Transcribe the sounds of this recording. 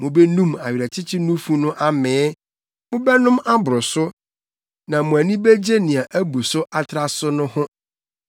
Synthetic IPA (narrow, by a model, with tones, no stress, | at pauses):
mʊ̃˨bɛ˦nũ˦ma˨ɥɾæ˨t͡ɕʰɪ˦t͡ɕʰɪ˦nũ˦fũ˦nʊ̃˦ʔa˦mɛ̃ː˨˦ | mʊ̃˦bɛ˦nʊ̃˦ma˦bʊ˨ɾʊ˨sʊ˦ | nã˨mʊ̃˨æ˨nĩ˦be˦d͡ʑe˦nĩ˨a˨ʔæ˦bu˨sʊ˦ʔa˨tʰɾa˨sʊ˦nʊ̃˦hʊ̃˦